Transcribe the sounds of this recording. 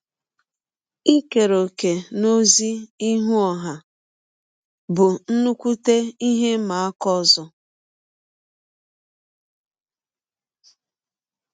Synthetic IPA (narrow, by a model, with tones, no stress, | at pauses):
i˦ke˨ɾo˨ke˨no˦zi˦i˦ɦu˦ɔ˨ɦa˨ | bʊ˨n̩˦nu˦kʷu˦te˦i˦ɦe˦ma˨a˦kɔ˦˨zɔ˦